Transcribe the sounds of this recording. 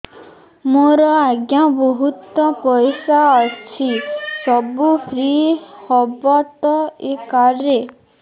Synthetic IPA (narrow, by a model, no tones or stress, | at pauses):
moɾɔaɡjabɔɦut̪ɔpɔjsaɔt͡ʃʰisɔbupɾihɔbɔt̪ɔekaɾe